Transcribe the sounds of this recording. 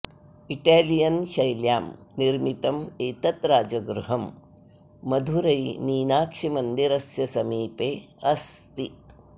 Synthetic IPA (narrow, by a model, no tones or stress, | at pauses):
iʈaːlijɐnʃɐjljaːmniɾmit̪ɐmeːt̪ɐt̪ɾaːd͡ʒɐɡɾuɦɐmː | ɐd̪ʱuɾɐjniːnaːkʂimɐnd̪iɾɐsjɐsɐmiːpeː | ɐst̪i